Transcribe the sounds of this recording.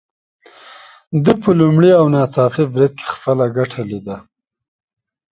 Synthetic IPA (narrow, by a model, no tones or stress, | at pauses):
d̪əpəlumɽiawnɑt͡sɑfibɾɪd̪̚kʰe̥xpəlaɡaʈʰalid̪a